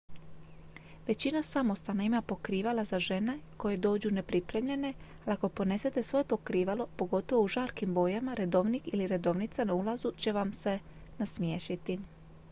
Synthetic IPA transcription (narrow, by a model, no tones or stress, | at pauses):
ʋe̞t͡ɕinasamo̞st̪anaimapo̞kɾiːʋalazaʒe̞ne̞ko̞je̞d̪o̞ːd͡ʑune̞pɾipɾe̞mʎe̞ne̞ | ako̞po̞ne̞se̞t̪e̞sʋo̞jepo̞kɾiːʋalo̞po̞ɡo̞t̪o̞ʋo̞uʒaːlkimbo̞jamaɾe̞d̪o̞ʋnikiliɾe̞d̪o̞ʋnit̪sanaulˠazut͡ɕe̞ʋamse̞nasmjeːʃit̪i